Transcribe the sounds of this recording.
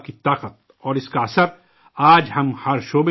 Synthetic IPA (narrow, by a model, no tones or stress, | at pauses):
kit̪aːqət̪̚ | ɔːɾɪskaɐsəɾ | aːd͡ʒhɐmhɐɾʃoːbe